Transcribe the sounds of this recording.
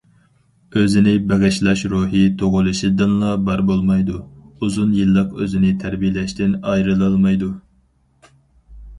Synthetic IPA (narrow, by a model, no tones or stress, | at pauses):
øzɪnɪbɛʁɪʃlˠɑʃɾuɦit̪ʰoʁʊlˠɨʃɨd̪ɨnlˠɑbɑɾbolˠmɑjd̪uuzunjɨlˠːəqøzɪnɪt̪ʰæɾbijlɛʃt̪ɪnɑjɾɨlˠɨlˠmɑjd̪u